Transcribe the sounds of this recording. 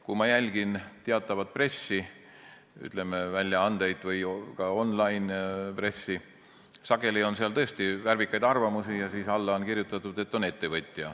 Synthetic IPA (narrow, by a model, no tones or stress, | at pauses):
kumɑjælʲɡ̥int̪eɑt̪ːˑɑvɑt̪̚pre̞sːi | y̰t̪ˑle̞mevælʲjɑɑnd̪̥e̞jd̪vɯjkɑo̞nlɑjnpre̞sːi | sɑɡe̞lio̞nseɑlt̪ɤ̞est̪iværvikːˑɑjd̪ɑrvɑmusijɑsiːsɑlːɑonkirjut̪ːˑɑt̪ːˑud̪̥e̞t̪ːˑo̞ne̞t̪ːe̞vɤt̪ʲːˑjɑ̰